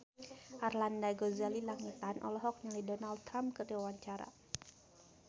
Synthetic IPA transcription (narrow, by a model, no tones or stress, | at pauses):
ʔarlandaɡɔzalilaŋit̪anʔɔ̰lɔɦɔk̚nalidɔnald̚t̪ɾamp̚kərdiwawaɲt͡ʃaɾa̰